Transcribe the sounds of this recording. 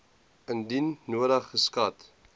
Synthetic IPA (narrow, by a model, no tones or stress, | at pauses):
əndinːuəɾəχːəskɐt